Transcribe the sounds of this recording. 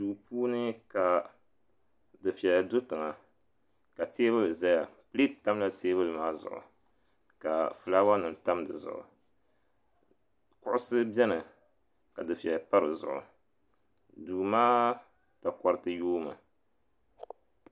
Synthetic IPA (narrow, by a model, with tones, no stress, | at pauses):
duː˨puː˦nɨ˦ka˨ | dɨ˨fi˨ɛ˨dʊ˦tɨ˨ŋa˨ | ka˨teː˦βɨ˦lɨ˨za˦ja˨pɨ˦li˦tta˦m˦la˦teː˦βɨ˦lmaː˦zʊ̰˨ʔʊ̰˨ | ka˨fɨ˨laː˦wa˦nɨ˨n˨ta˦mdɨ̰˨zʊ̰˨ʔʊ̰˨ | kʊ˦ʔʊ˦sɨ˦bʲɛ˦nɨ˨ | ka˨dɨ˨fi˨ɛ˨pa˦ɾɨ˨zʊ̰˨ʔʊ̰˨ | duː˨maː˦ | ta˨ka˨ɾɨ˨tɨ˦joː˦ma̰˨